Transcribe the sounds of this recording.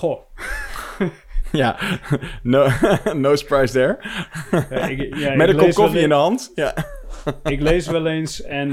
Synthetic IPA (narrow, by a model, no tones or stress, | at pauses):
o | ja | nonowsə̥pɹajsdɛɹ | ɪamɛtəkɔskɔfiɪ̃ndəɦɑntja | ɪklejsʋɛlˠejnsɛn